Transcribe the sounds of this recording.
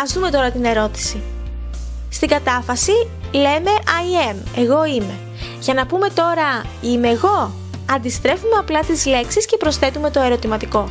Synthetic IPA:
ɐzðume̞t̪o̞ɾɐt̪ine̞ɾo̞t̪i̥si | st̪iɡɐt̪ɐfɐsi | le̞me̞ʔɐie̞me̞ɣo̞ime̞ | ʝɐnɐpume̞t̪o̞ɾɐime̞ɣo̞ | ɐnd̪ist̪ɾe̞fume̞ɐplɐt̪izle̞ksisce̞pɾo̞sθe̞t̪ume̞t̪o̞e̞ɾo̞t̪imɐt̪iko̞

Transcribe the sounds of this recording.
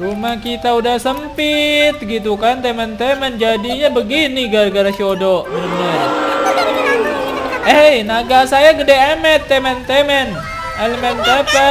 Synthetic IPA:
rumahkit̪audahsəmpit̪̚ɡit̪̬ukant̪emɛnt̪emɛnd͡ʒadiɲabəɡiniɡaɾɡaɾat͡ʃodoʔmanəmɲa | əjnaɡasajaɡədeamɛt̪ːemɛnt̪emɛn | eləmɛnt̪apə

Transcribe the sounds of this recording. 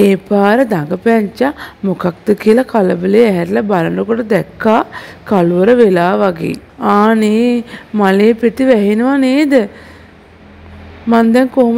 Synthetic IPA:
eːpaːɾəd̪aŋɡəpɛɲt͡ʃamokak̚d̪əkiəlɐkaləbəlejːɦɛɾlɐbaɾənəkoʈəd̪ɛkːaːkaluʋəɾəʋelaːʋaɡḛː | aːneːmaleːpeʈiʋɛɦenəʋaneːd̪ə | mand̪ɛŋkoɦum

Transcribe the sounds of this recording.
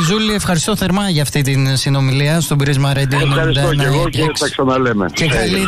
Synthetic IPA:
zuliefxɐɾist̪o̞θe̞ɾmɐʝɐːft̪it̪insino̞miliɐst̪obɾizmɐɾɐd̪ionɐɾisd̪ɐoneɣoiksɐksɐnɐlemḛekɐli

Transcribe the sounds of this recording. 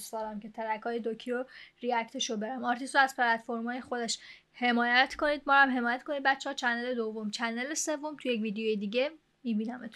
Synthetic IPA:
st̪ɒːɾæmke̞t̪ʰæɾækʰɒːjed̪ocʰiɾoɾiækt̪ʰeʃobe̞ɾæmɒɾt̪ʰist̪ɾoæzpʰelæt̪foɾmɒːjexo̞d̪eʃ | he̞mɒːjæt̪ʰko̞niːd̪̚mɒːɾæmɦe̞mɒːjæt̪kʰoniːd̪̚bætt͡ʃːehɒːt͡ʃʰænd̪ele̞d̪ovːomt͡ʃʰænd̪elesevːomt̪ʰujecviːd̪ejojed̪iːɟe | miːbiːnæmet̪ʰ

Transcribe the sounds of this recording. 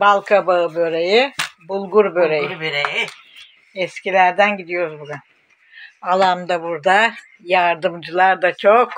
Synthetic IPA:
balˠkʰabaɯbøɾejibulˠɡuɾbøɾejiɾej | ɛscilʲæɾd̪ænɟid̪ijo̞ɾuzbuɡyn | alˠamd̪abuɾd̪a | jaɾd̪ɯmd͡ʒɯlˠaɾd̪at͡ʃʰok

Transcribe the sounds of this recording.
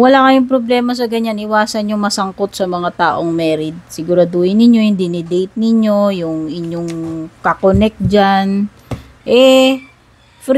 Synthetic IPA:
wɐlakɐjʊŋpɾoblɛːmɐs̬ɐɡɐɲanɪwaːsɐnjʊŋmɐsɐŋkot̪̚sɐmɐŋat̪aːʔo̞ŋmɛːɾɪd̪̚sɪɡuɾɐd̪uːjɪnːɪɲjo̞jʊŋd̪ɪnɪd̪ejt̪̚nɪɲo̞jʊŋʔɪɲoŋkɐkonɛk̪̚d͡ʒan | ʔɛ | fɾ

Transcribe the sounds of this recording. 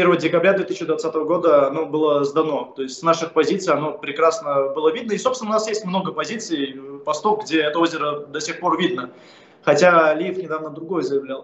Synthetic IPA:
pʲervəjədʲɪkɐbɾʲad̪vʲet̪ɨsɕːɪd̪vat̪sːat̪əvəɡo̞d̪əɐno̞bɨlˠəzd̪ɐno̞t̪o̞ɪsʲtʲsnaʂɨxpɐzʲit̪sɨɪjɐno̞pɾʲɪkɾasnəbɨlˠəvʲid̪nəɪsopsʲɪnʊnasjesʲtʲmno̞ɡəpɐzʲit̪sɨɪpɐst̪o̞kɡdʲeɛt̪əo̞zʲɪɾəd̪ɐsʲe̞xpo̞rvʲid̪̚nə | xɐtʲalʲijɪfnʲɪd̪avnəd̪ɾʊɡo̞jəzəjɪvlʲalˠ

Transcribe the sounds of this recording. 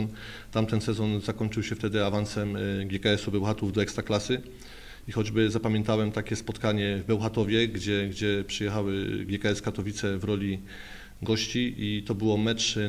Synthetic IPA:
n | t̪amt̪ɛnsɛzɔnzakɔɲʲt͡ʂɘwɕɛft̪ɛd̪ɘavansɛmɡʲjɛkaɛsubɛwxat̪uvd̪ɔɛkst̪ɾaklasɘ | ixɔd͡ʑbɘzapamʲjɛ̃nt̪awɛmt̪akʲɛspɔt̪kaɲɛvbɛwxat̪ɔvʲjɛɡd͡ʑɛɡd͡ʑɛpʂɨjɛxawɘɡʲjɛkaɛskat̪ɔvʲit̪sɛvɾɔlʲi | ɡɔɕt͡ɕiit̪ɔbɘwɔmɛt͡ʂ

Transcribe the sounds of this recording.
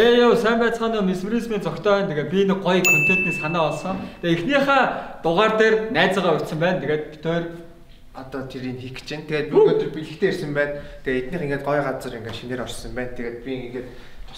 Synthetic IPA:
eːjowsæːmpæːt͡sʁaːniːmesuɾismiːnt͡sɔkt̪ʰœːwæːnt̪ʰeɣeːt̪̚pʲinɘ̆k̚ɢɔjkʰɵn̥t͡ɕ̪eːt̪niːsanæːɔɮsɞ̆ŋt̪ʰeixniːχaːt̪ʊʁaːrt̪eːrnæːt͡sə̆ʁaːut̪sə̆mpæːnt̪ʰeɣeːt̪̚pi̥t̪ʰeːr | ɔt̪ɔːt̪ʰeɾinxikt͡ɕɪnt̪ʰeɣeːt̪̚puɾɣoːt̪ɵ̆rpiɮɘ̆kt̪ʰeːersɘ̆mpæːnt̪ʰeet̪niːχiŋɡeːt̪̚ɢɔjʁat͡sə̆riŋɡeʃineːɾɔrsɞ̆mpæːnt̪ʰeɣeːt̪̚pʲiŋɡeːt̪ | t̪ʰʊ̥

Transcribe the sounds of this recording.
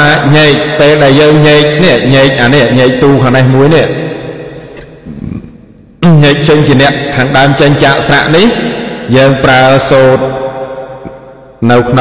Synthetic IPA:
aːɲeːc̚peːlɗaɛljəːŋɲeːk̚niəʔɲeːc̚ʔaːnɛəʔɲeːc̚t̪uːkʰanɛhmuəjniəʔ | ɲeːc̚t͡ɕəɲt͡ɕiənɛ̆əʔkʰaːŋɗaəmt͡ɕəɲt͡ɕaːʔsra̰ʔnihjəːŋpraəsoːt̪̚ | nɨwkʰno

